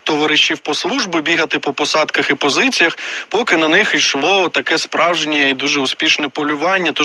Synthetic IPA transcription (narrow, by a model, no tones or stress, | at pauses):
t̪ɔʋɐɾɪʃːiwpɔslˠuʒbɪbʲiɦɐt̪ɪpɔpɔsɑd̪kɐxipɔzɪt͡sʲijɐxpɔkɪnɐnɪxijʃlˠɔt̪ɐkɛspɾɑwʒnʲɛid̪uʒɛʊspʲiʃnɛpɔlʲʊʋɑnʲːɐt̪ɔ